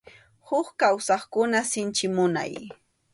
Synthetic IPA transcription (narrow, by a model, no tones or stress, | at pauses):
hʊχkawsɑχkʊnasɪnt͡ʃɪmʊna̰j